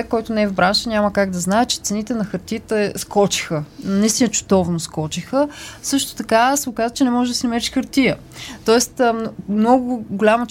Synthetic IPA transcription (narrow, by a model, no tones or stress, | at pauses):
ɛkːɔjt̪ʊnɛɛvbɾanʃənʲaməkaɡd̪ɐznaɛt̪t͡ʃɛ̥t̪sɛnit̪ɛnɐxəɾt̪ijət̪ɛskɔt͡ʃi̥xənnist̪inət͡ʃʊ̥d̪ɔvnoskɔt͡ʃixəsɤʃt̪o̥t̪ɐkasɛokazvət͡ʃɛnɛmɔʒɛd̪ɐsinɐmɛɾiʃxəɾt̪iə | t̪ɔɛst̪ːmmnɔɡʊɡʊlʲamɐt͡ʃ